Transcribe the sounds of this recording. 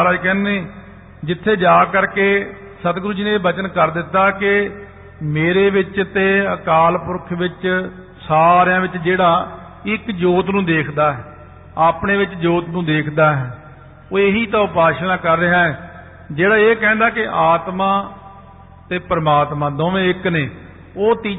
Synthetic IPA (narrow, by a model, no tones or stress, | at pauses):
ɾaːkɛ̃ːnneː | d͡ʒɪt̪ʰːeːd͡ʒaːkəɾkeː | sət̪ɡɾuːd͡ʒiːnẽːbət͡ʃənkəɾd̪ɪt̪ːaːkɪ | meːɾeːʋɪt͡ʃt̪eːəkaːlpʊɾkʰʋɪt͡ʃ | saːɾɪjãːʋɪt͡ʃd͡ʒeːɽaː | ɪkd͡ʒoːt̪nũːd̪eːkʰd̪aːɦɛ | aːpɳeːʋɪt͡ʃd͡ʒoːt̪nũːd̪eːkʰd̪aːɦɛː | oːeɦiːt̪ãːʊpaːʃɽãːkəɾːəɦaːɛ | d͡ʒeːɽaːeːkɛ̃ːnd̪aːkɪʔaːt̪mãː | t̪eːpɾəmaːt̪mãːd̪oːʋẽːɪkneː | oːt̪iː